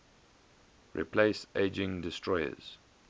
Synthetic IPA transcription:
ɹḭpʰleɪseɪd͡ʒɪ̃ŋdɪstʰɹɔɪə̰z̥

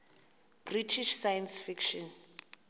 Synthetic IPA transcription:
b̥ritʰiʃsajɛnsfikʃɔn

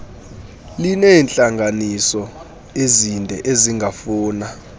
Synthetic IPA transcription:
linɛːnt͡ɬʼaŋɡanisɔ | ezindʱɛʔeziŋʱafuːna

